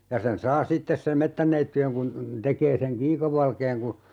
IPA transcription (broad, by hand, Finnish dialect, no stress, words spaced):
jɑ sen sɑː sitːes sem̆ metːænːeitːyeŋ kun tekeː seŋ kiːkəʋˑɑlkeːŋ ku